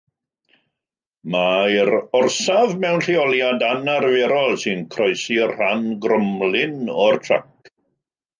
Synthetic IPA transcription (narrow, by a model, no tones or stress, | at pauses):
maɪɾɔrsavmɛwnɬiɔlˠjadanarvɛɾɔlˠsɨnkʰrɔjsirr̥anɡrəmlˠɪnɔrtʰra̰k